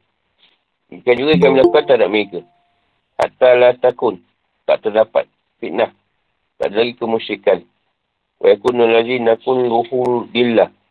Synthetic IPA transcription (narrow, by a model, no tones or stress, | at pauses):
ikad͡ʒuɡek̬amilakat̪adaʔmikə | ha̰ʔt̪alat̪akun | ka̰ʔt̪anapa̰t̚ | fiʔnah | ka̰ʔlaɡikəmuʃikan | wa̰jakunːəlad͡ʒinakunluhuɾdilːa